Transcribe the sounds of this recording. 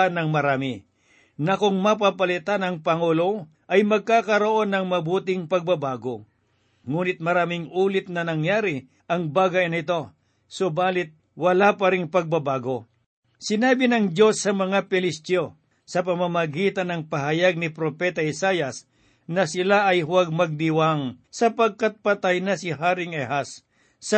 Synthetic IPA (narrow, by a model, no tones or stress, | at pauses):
nɐŋmɐɾaːmɪ | nɐkoŋmɐp̬apɐlɪt̪anɐŋpɐŋuːlo̞ | ʔɐjmɐɡ̚kaːkɐɾoʔo̞nːɐŋmɐbuːt̪ɪŋpɐɡ̚bɐbaːɡo̞ | ŋuːnɪt̪̚mɐɾaːmɪŋuːlɪt̪̚nɐnɐŋjaːɾɪ | ʔɐŋbaːɡɐjnɪt̪o̞ | sobaːlɪt̪̚ | wɐlapɐɾɪŋpɐɡ̚bɐbaːɡo̞ | sɪnaːbɪnɐŋd͡ʒjo̞sːɐmɐŋapɪlɪst̪o | sɐpɐmamɐɡiːt̪ɐnːɐŋpɐɦɐjaɡ̚nɪpɾopɛt̪ɐɪsajɐs | nɐsɪlaʔɐjhʊwaɡ̚mɐɡ̚d̪ɪwaŋsɐpɐɡ̚kɐt̪̚pɐt̪ajnɐsɪɦaːɾɪŋɛhasː | ɐ